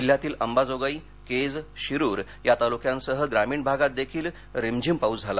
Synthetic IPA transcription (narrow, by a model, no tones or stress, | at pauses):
iljat̪iːləmbad͡zoɡəi | ked͡zɕiɾuːɾ | jat̪alukjãnsəɦəɡɾamiːɳbʱaɡat̪̚d̪ekʰiːl | ɾemd͡ʑʱimpaud͡zd͡zʱala